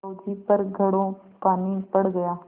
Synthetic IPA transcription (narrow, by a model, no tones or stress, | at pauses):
oːd͡ʒipɐɾɡʱɐɽõ | paːnipɐɽɡɐjaː